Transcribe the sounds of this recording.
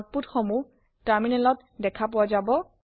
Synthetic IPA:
t̚putxɔmu | taɹminɛlɔt | dɛkʰap̬ʊwazabɔ

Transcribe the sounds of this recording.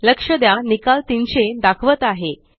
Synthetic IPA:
ləkʂəd̪janikalt̪inɕed̪akʰʋət̪aɦe

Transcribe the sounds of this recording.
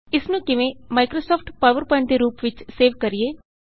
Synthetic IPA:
ɪsnũːkɪʋẽːmaːkɾoːsɔːpʰʈpaːʋəɾpɛ̃ɳʈd̪eːɾuːpʋɪt͡ʃseːʋkəɾieː

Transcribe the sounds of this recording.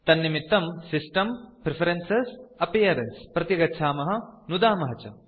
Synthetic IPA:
t̪ɐnːimit̪ːɐmsisʈɐmpɾepʰɐɾensesɐpijɐɾenspɾɐt̪iɡɐtːʃʰaːmɐɦɐnud̪aːmɐɦɐt͡ʃɐ̰

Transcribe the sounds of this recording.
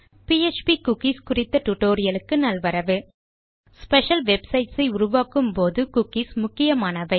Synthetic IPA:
piɛt͡ʃpikʊkːiskʊrɪt̪ːɐʈuʈːoːɾɪjɐlɯkːɯnɐlʋɐɾɐʋɯ | spɛʂɐlʋɛbsɐɪʈsɐɪʊɾʊʋaːkɯmpoːðɯkʊkismʊkːɪjɐmaːnɐʋɐɪ

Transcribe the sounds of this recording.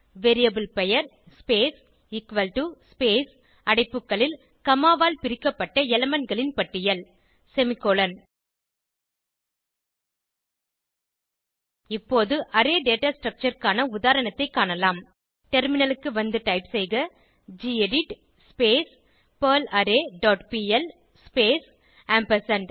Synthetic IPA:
ʋeɾɪjɐbɯlpɛjɐɾ | speːs | ɪkʋɐlʈuspeːs | ɐɽɐɪpːɯkːɐɭɪl | kɐmaːʋaːlpɪɾɪkːɐpːɐʈːɐɛlɐmɐnɡɐɭɪnpɐʈːɪjɐl | sɛmɪkːoːlɐn | ɪpːoːðɯʔɐɾeːɖeːʈaːsʈɾɐk̚t͡ʃɐɾkaːnɐʊðaːɾɐɳɐt̪ːɐɪkːaːɳɐlaːm | ʈɛɾmɪnɐlɯkːɯʋɐnd̪ɯʈɐɪpsɛjɣɐ | d͡ʒiːɛɽɪʈ | speːs | pɐːlɐɾeːɖoːʈpiːɛl | speːs | aːmpɐsɐɳɖ

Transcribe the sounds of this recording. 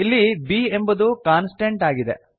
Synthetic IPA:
ilːibie̞mbud̪ukaːnsʈeɳʈaːɡid̪ḛ

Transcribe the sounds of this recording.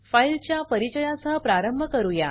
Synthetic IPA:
failt͡ɕjapəɾit͡ɕəjasəɦəpɾaɾəmbʱəkəɾuja

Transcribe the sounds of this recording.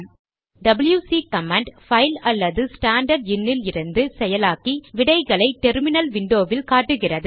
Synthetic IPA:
ɖɐbɪljuːsiːkɐmɐɳɖfɐɪlɐlːɐðɯsʈaːɳɖɐɾɖɪnːɪlɪɾɯnd̪ɯsɛjɐlaːkiʋɪɽɐɪɣɐɭɐɪʈɛɾmɪnɐlʋɪɳɖoːʋɪlkaːʈːɯɣɪrɐðɯ

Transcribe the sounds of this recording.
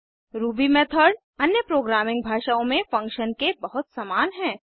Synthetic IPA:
ɾuːbimɛːt̪ʰəɾɖ | ɐnjəpɾoːɡɾaːmɪ̃ŋɡ̚bʱaːʃaõmẽfɐ̃ŋkʃənkebɐɦʊt̪samaːnɦɛ̃ː

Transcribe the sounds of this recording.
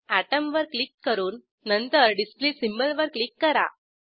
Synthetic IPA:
æʈəmʋəɾklikːəɾuːnː | ənt̪əɾɖisplisimbəlʋəɾklikːəɾa̰

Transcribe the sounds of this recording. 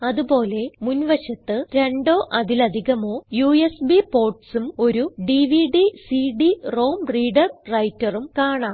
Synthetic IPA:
ɐðubo̞ːle̞munʋɐɕɐt̪ːɨɾe̞ɳɖo̞ːʔɐðilɐd̪ʱiɣɐmo̞ːjuesbipo̞ːrʈsumo̞ɾuɖiʋiɖisiɖiro̞ːmriːɖɐrrɐjtːɐrumkaːɳaːm

